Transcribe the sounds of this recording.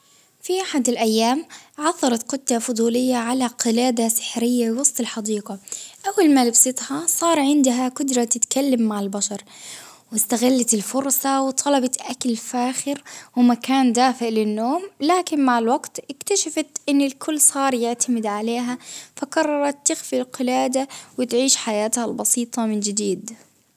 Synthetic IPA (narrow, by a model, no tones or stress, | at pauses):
fiʔaħad̪ɪlʔajːaːmʕɑθˤːɑɾˤɑt̪qʊt̪ːafʊd̪ˤuːlɪjːaʕalaqɪlaːd̪asɪ̥ħɾɪjːabɪwɑsˤt̪ˤɪlħɑd̪iːqɑʔawːalmalɪbsˤɪt̪ˤhɑsˤɑːɾˤʕɪnd̪ɦakʊd̪ɾˤɑt̪ɪt̪kalːamːaʕɪlbaʃɑɾˤ | wɪst̪aɣalːat̪ɪlfʊɾsɑwɪt̪ˤʰɑlɑbɑt̪ʔakalfaːxɪɾwɪmakaːnd̪aːfɪʕlɪnːoːmlaːkɪnmaʕɪlwaɡt̪ʔɪkt̪aʃafat̪ʔɪnːɪlkʰʊlːsˤɑːɾˤjɪʕt̪ʰamɪd̪ʕaleːɦafaqɑrˤːɑɾˤɑt̪ːɪxfilqɪlaːd̪awɪt̪ʕiːʃħajaːt̪halbɑsiːt̪ˤɑmɪnd͡ʒɪd̪iːd̪